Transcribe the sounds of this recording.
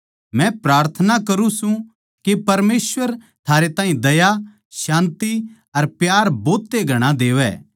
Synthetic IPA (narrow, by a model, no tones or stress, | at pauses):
mɛ̃pɾaːɾt̪ʰənakɐɾũsũ | kepɐɾmeːsʋəɾ | t̪ʰaːɾet̪ãːɦĩd̪ɐja | ʃãːnt̪i | ɐɾpjaːɾboːt̪ːeɡʱɐɽ̃ãd̪eːʋɛ̰ː